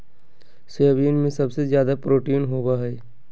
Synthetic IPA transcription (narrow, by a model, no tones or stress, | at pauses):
seabiənmẽsɐbsezjaːd̪apɾoːʈiːnɦoːbaɦɛː